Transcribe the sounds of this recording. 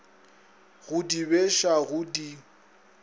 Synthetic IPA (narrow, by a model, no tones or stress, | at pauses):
ɣʊdibeʃaɣʊdi